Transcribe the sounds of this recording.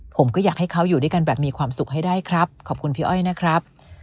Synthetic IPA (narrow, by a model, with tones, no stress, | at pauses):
pʰo˩˦mkɔː˥˩jaː˨˩k̚ha˥˩jkʰa˦˥wjuː˨˩du˥˩jka˧nbɛː˨˩p̚miː˧kʰwaː˧msu˨˩k̚ɦa˥˩jdaː˥˩jkʰɾa˦˥p̚kʰɔː˨˩p̚kʰu˧npʰiː˦˥ʔɔ˥˩jna˦˥kʰɾa˦˥p̚